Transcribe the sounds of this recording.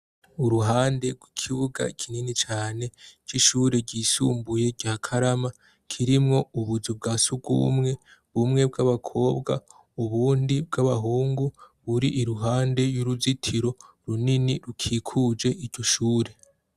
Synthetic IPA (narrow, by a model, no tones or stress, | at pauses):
uɾuɦaːnde̞ɡwikʰiβuɡa̰kʰininit͡ʃaːne̞t͡ʃiʃuːɾe̞ɟiːsuːmbuje̞ɟaːkʰaɾama | kʰiɾimŋo̞uβuzub̚ɡaːsuɡɡṵːmŋe̞βumŋe̞b̚ɡaβakʰo̞ːbɡa̰ | uβuːndibɡaβaɦuːŋɡuβuɾiʔiɾuɦaːnde̞juɾuzitʰiɾo̞ | ɾuniniɾukʰikʰud͡ʒe̞ʔiɟo̞ʃuːɾe̞